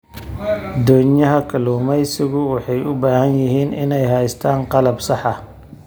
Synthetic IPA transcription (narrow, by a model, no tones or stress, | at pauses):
d̪ɔːɲɐɦɐkʰɐluːmɛjsɪɣʊwɑħɑjʊbaːhɐnjɪɦiːnɪnɛjɦɛjst̪ʰaːnqɑlɐbsɑħɑ